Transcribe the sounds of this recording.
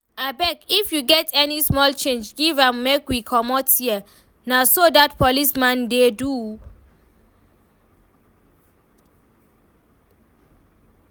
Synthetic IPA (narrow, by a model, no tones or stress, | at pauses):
abɛkifjuɡɛtʰɛnismɔlt͡ʃẽnd͡ʒɡivãmːekwikʰɔmɔtiə | nasodatpʰɔlismãndedu